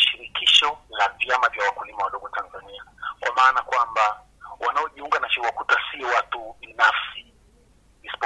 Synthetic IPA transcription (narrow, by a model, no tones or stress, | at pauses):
ʃiɾikiʃɔlavjamavjawakulimawaɗɔɡɔtanzaniakwʔa̰maːnakwamba | wanaɔʄiuŋɡanaʃiwakutasiɔwatuɓinafsiː | si̥pɔ